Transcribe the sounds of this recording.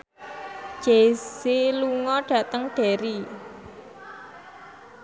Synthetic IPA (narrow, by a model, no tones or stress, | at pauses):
ʒ̥eseluŋɔɖ̥ä̤t̪əŋɖ̥e̤ɾi